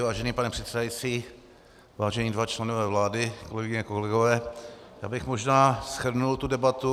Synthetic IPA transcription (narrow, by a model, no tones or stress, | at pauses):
vaːʒɛniːpanɛpr̝̥ɛt̪sɛdajit͡siː | vaːʒɛɲiːdvat͡ʃlɛnovɛːvlaːdɪkolɛɡɪɲɛkolɛɡovɛːja̰ːbɪxmoʒnaːsxr̩nult̪udɛbat̪u